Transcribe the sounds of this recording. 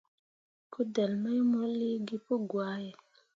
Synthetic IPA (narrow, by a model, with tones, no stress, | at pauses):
ku˦dɛ˨lmɔ˦jmo˦li˦ɡi˦po˦ɡwa˦jɛ˨